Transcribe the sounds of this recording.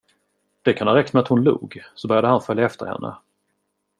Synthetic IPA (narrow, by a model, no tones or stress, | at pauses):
d̪̥ɛkʰanɑːɾɛkt̪mɛat̪hʊnlṵːɡsɔbœɾjad̪əhanfœljaɛft̪ə̰ɾhɛ̰nːə̰